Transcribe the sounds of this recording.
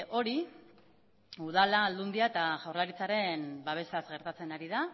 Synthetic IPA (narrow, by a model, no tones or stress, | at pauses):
ʔo̞ɾi | uð̞alaːld̪und̪iae̞t̪aʝawrlaɾit͡saɾe̞nbaβ̞e̞sazɣe̞ɾt̪at͡se̞naɾiða